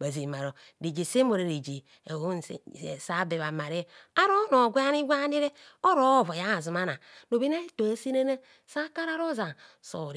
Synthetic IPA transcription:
ba˨zi˨ma˨ɾo˨ | ɾi˨d͡ʒi˨se˦mo˨ɾe˨ɾi˨d͡ʒi˨ | e˨o̰˦˨sa˦be˨βa˨ma˨ɾe˦a˦ɾo˦no˨ɡʷe˦a˦ni˦ɡʷa˦ni˦ɾe˦ | o˦ɾo˦˨vo˨ja˦˨zu˨ma˦na˨no˨bi˦na˦to˨a˦si˦na˦na˦ | sa˦ka˦ɾa˦ɾo˦za˨ | so̰˨ɾi˨

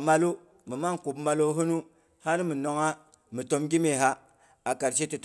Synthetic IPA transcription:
ma˦lu˦ | mi˨ma˦nku˨bma˨lo˦ɦu˦nu˦ | ha˦n˦mi˨no˨ŋa˦ | mi˨to˦mɡi˦me˨ɦa˦ | a˨ka˨ɾs̬i˦ti˨t

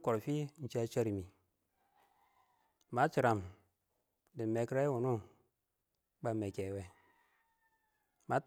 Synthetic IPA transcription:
ko˨ɾfi˦n̩˨t͡ʃe˦t͡ʃe˦ɾi˨mi˨ | ma˨˦t͡ʃi˨ɾa˨m | di˨me˨kɾa˦wu˨nu˦ | ɓa˦me˨kɛ˨wɛ˨ | ma˨˦t

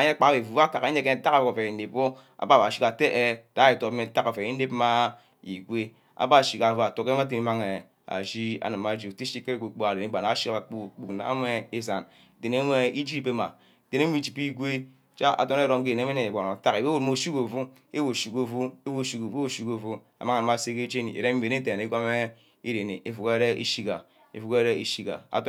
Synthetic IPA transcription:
a˨ɲe˦k͡pa˨ke˨vu˨va˦ka˨ke˦e˦ke˦n˦ta˦a˨vo˨o˨fe˨n̩˦de˨pːo˦ | a̰˨ba˦˨a˨ʃi˦ka˨te˦ʔe˦˨d̥a˦e˨to˨pme˨˦ta˦ka˨fe˨i˦n̩˦de˦pma˦ | ḭ˨ɡʷe˦ | a̰˨ba˦˨ʃi˨ka˨va˨to˨ke˦m˦a˦te˨ni˦ma˦ŋe˨ | a̰˨d͡ʒi˦a̰˨nɨ˨ma˨˦d͡ʒi˨ti˦ʃi˦ke˦ɾe˦˨ɡʷo˨k͡po˦a˨de˨ne˦ɡ͡ba˨na˨˦ʃi˦a˨k͡pu˦k͡pu˨kna̰˦me˦e˦za˨n˨ | te˨ne˦nʷ˦e˦i˦d͡ʒi˦i˨pe˦ma˨ | te˨ne˦mi˦˨t͡ʃi˨pi˦ɡʷe˦ | t͡ʃa˦ʔa̰˨to˦ne˦ɾo˦mke˨ne˦me˦ne˨e˨ɡa˨na˨ta˦ke˨wwu˨m˦o˨ʃi˦ko˨vu˦ | e˦wo˨ʃi˨ko˨vu˦e˦vu˦˨ʃi˦ko˨˦o˦˨ʃi˦ko˨vu˦ | a̰˨ma˦ŋa˨na˨ma˨se˦ke˦d͡ʒe˦nḭ˨ḛ˨ɾe˦m̩˦e˨ne˦te˨ne˦ɡʷa˦me˦ | i˦ɾe˨ne˨ʔe˨fu˨ke˦ɾe˦ʔḛ˦ʃi˦ka˨ | ḛ˨fu˦ke˦ɾe˦e˦ʃi˦ka̰˨a̰˨t

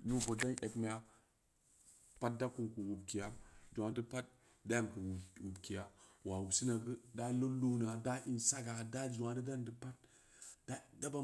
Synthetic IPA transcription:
nu˦bo˨da˦nʔe˨kma˦ja˦ | pa˦t̚da˦ku˦nku˨wu˨bki˨ja˦d͡ʒu˨wa˨də˦pa˦t̚ | da˦ja˦˨m˨ku˨wwu˨bki˨ja˨wa˨wu˨si˦na˨ɡə˦da˦lo˦lu˦na˨da˦ʔi˦nsa˦ɡa˨da˦d͡ʒu˨wa˨də˦da˦ndɨ˦pa˦t̚ | d̥a˦da˦ba˦

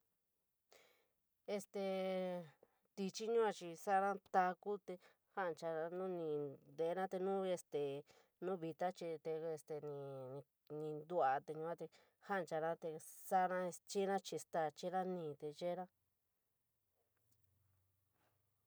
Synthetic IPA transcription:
e˧st̪e˧ | t̪i˧t͡ʃi˦ɲũ˦a˧t͡ʃi˧sa˦ɾã˦t̪a˧ku˦t̪e˧ | ha˦ʔnt͡ʃa˧a˧nũ˦nĩ˧d̪e˨˦nã˦t̪e˧nũ˦˧e˧st̪e˨ | nũ˦βi˧t̪a˦t͡ʃi˧t̪e˧e˧st̪e˨nĩ˧ | nĩ˧nd̪u˦a˧t̪e˧ɲũ˧ã˦t̪e˧ | ha˦˧t͡ʃa˧nã˦t̪e˧sa˦nã˦e˧t͡ʃi˦nã˦t͡ʃi˧st̪a˧˨t͡ʃi˦ɾã˦nĩ˧˨t̪e˧ʒe˦ɾã˦

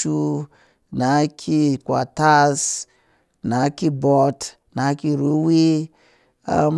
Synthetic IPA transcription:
u˦ | na˨˦kʰi˦kwa˨ta˦s | na˨˦ki˦bɔ˨˧t | na˨˦ki˦ɾu˨˦wi˦ | a̰˨˦m

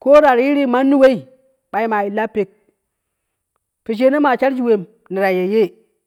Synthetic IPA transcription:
ko˦ɾa˨ɾji˦ɾi˦ma˦nːi˦we˦i˨ | ɓa˨i˦ma˨i˨lːa˦pe˨k̚ | pi˨ʃ̬e˦ne˦ma˨t͡ʃa˦ɾd͡ʒi˨we˨m | ni˨ɾa˨je˨je˦

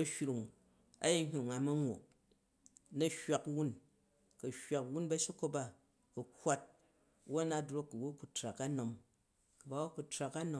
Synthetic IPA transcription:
ɐ˦hʲɾu˨ŋ | a̰˦ji˦ɲʲ˨ŋa˨mɐ˦ŋʷo̰˨k | nɐ˦hwa˨kwu˦n | kɐ˨hwa˨kwu˦nbɐ˦ʃi˦ko˦ba˦ | ku˨kʷːa˦t̚ | wo˦na˦dɾo˦kːu˨wo˦ku˨tɾa˨ka˦no˨m | kɐ˨ba˨˦wo˦ku˨tɾa˨ka˦no˦

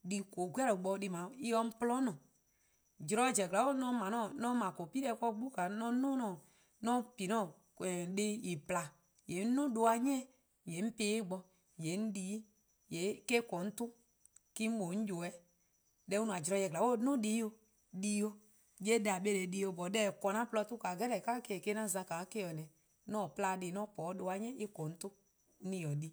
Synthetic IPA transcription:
di˧ko˨ɡʷu˦a˦ɾo˨ɡ͡bɔ˧di˧mã˨i˦ɔ˧˦m̩˦plɔ̃˦nɔ̃˨ | d͡ʒɾɔ˧˦d͡ʒɛ˨ɡla˨˦o˦nɔ̃˦mã˨nɔ̃˦˨nɔ̃˦mã˨ko˨pi˦ɛ˧˦kɔ˦ɡ͡bu˦ka˨nɔ̃˦nũ˦nɔ̃˨ | nɔ̃˦pi˨nɔ̃˦˨ | ɛ˨de˦i˨pla˨ | je˨˦n̩˦nũ˦do˧a˧ɲ˦ɛ̃˦˨ | je˨˦m̩˦peː˧˦ɡ͡bɔ˧ | je˨˦n̩˦di˦ | je˨˦ke˦kɔ˨n̩˦tu˦ | ki˦m̩˦ɓo˨˦ɲ̩˦d͡ʒo˨ɛ˦ | dɛ˦u˦nũ˨a˨d͡ʒɾɔ˧˦jɛ˧˨ɡla˨wo˦˨˦nũ˦di˦o˧ | di˧˦o˧ | je˦da˨be˦le˨di˧˦o˨˧˨bɔ˨dɛ˦˨kɔ˨nã˦plɔ˧tu˦ka˨ɡɛ˦lɛ˨ka˦ke˦˨ke˦nã˦˨zã˧ka˨˦ke˦jɔ˨nɛ̃˨ | nɔ̃˦˨pla˧di˨˦nɔ̃˦pɔ˨˦do˧a˨ɲɛ̃˦i˦kɔ̃˨n̩˦tu˦ | ĩ˧jɔ˨di˦

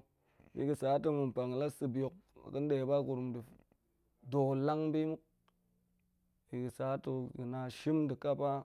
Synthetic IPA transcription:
jḭ˨ɡə˨sa˨˦to˦mu˨m˨pa˨ŋ˨la˦sɨ˦bjo˨k̚kə˦n˦de˨˦ba˦ku˨ɾu˨mdi˨ | do˨la˦ŋbi˦mu˦k̚ | ji˨ɡi˨sa˨˦to˨ɡi˨na˨ʃi˦mdi˨ka˦pa˦

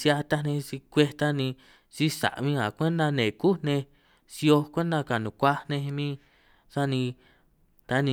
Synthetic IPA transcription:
sja˧t̪a˦nẽ˧si˧kʷe˧t̪a˦nĩ˧ | si˦sa̰˨ʔmĩ˦ã̰˨kʷe˦nd̪a˧nẽ˨ku˦nẽ˧ | si˧o˧kʷe˦nd̪a˧ka˨nũ˨kʷa˦nẽ˧mĩ˦ | sa˦nĩ˧ | t̪a˦nĩ˧

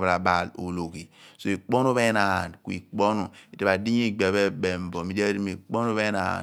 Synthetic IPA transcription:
ba˨ɾa˨ba˨lo̰˨lo˨ki˨so˨i˨k͡po˦no˦βe˦na˨a˨nku˨˦ḭ˨k͡po˦nu˨i˨te˨ba˨di˦ɲi˦˨ɡ͡be˨be˦be˨m˨bo˨mi˨de˦ɾi˦mi˨k͡po˦n˦o˦be˦na̰˨

